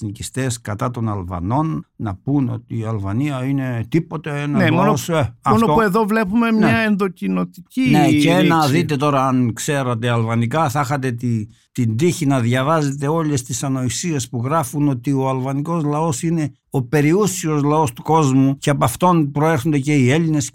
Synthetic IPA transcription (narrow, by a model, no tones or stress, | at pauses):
nicist̪e̞skɐt̪ɐt̪o̞nɐlvɐ̰no̞nːɐpuno̞t̪iːɐlvɐniɐine̞t̪ipo̞t̪eenɐzelonoosɐoooeðovle̞pume̞mɲɐenðo̞cino̞t̪icineeenɐðit̪e̞t̪o̞ɾɐɐnkse̞ɾɐt̪̬eɐlvɐnikɐθɐxɐt̪e̞t̪i | t̪ind̪içinɐðʝɐvɐze̞t̪e̞o̞le̞st̪isɐno̞isie̞spuɣɾɐfuno̞t̪io̞ɐlvɐniko̞zlɐo̞sine̞ | o̞pe̞ɾiusio̞zlɐo̞st̪u̥ko̞zmuce̞ɐpɐft̪o̞npɾoe̞ɾxo̞nd̪e̞ce̞ie̞line̞s